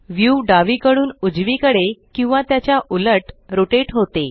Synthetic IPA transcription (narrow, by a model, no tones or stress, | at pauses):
ʋjuɖaʋikəɽuːnud͡zʋikəɽekĩw̃ʋat̪jat͡ɕjaʔuləʈɾoʈeʈɦot̪e